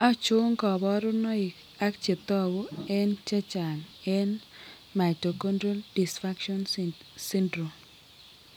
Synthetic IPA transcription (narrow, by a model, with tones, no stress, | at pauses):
ɔ˦t͡ʃʊ˦ŋkɔ˨bɔ˦ɾʊ˦nɔ˦ɪ˨ | a˦kt͡ʃe˨t̪ɔ˦ɡo˦ɛ˦nt͡ʃɛ˦t͡ʃa˨nɛ˦n | ma˨to˨kɔ˦ndɾo˦ldi˨sfa˦kʃɔ˦n | si˦ndɾo˨m